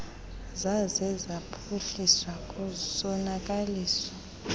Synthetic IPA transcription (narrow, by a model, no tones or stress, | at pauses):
zazɛzapʰuɬiswakʼusɔnak̬ʼaliːsa